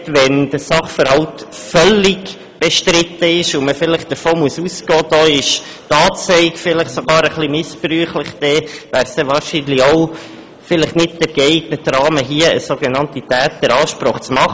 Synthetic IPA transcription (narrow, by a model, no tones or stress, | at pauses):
tʋɛnd̥əsɑχfəɾhɑltfœlɪɡ | b̥ɛʃtɾɪt̪ːəɪʃʊməfɪləχd̥̪əɾfoːmuəsuskɔːd̪̥ɔːɪʃ | tɑːt͡sɛɪkfɪləχsoɡɑːɾəχlimɪspryːχləχd̪̥ɛʋæːɾsd̥̪ɛʋɑːɾʃinlioʊ | fɪləχnɪt̚d̥əɾɡ̥ɛɪɡ̥nətrɑːməɦiəəsoɡenɑntitæːt̪əɾɑːʃpɾɔχt͡smɑχ